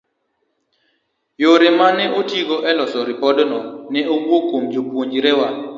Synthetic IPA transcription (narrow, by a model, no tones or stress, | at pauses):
joɾɪmanɛʔotiɡɔʔɛlɔsɔɾɪpɔdɔnɔnɛowokomd͡ʒopwoɲd͡ʒɾɛwa